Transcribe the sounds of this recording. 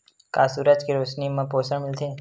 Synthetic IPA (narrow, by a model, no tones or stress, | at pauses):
ka̰ːsuːɾəd͡ʒkiɾoːʃnimãpoːsə̃mɪlt̪ʰeː